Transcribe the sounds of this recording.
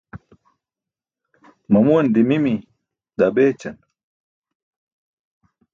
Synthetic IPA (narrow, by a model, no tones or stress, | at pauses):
mɐmuɐnd̪imimi | d̪abeːt͡ɕɐn